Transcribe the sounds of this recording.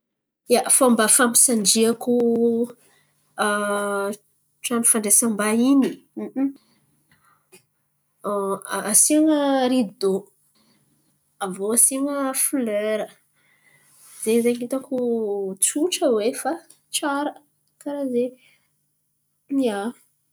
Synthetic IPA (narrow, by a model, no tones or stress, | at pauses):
jafoaambafampi̥saɳɖ͡ʐiaku | ʈ͡ʂamifaɳɖ͡ʐesambaini | asiaŋəɾiid̪o | avoasiŋəfløɾə | z̥ezeɲit̪akut͡suʈ͡ʂəwefa | ʈ͡ʂaɾə | kaɾaze | nia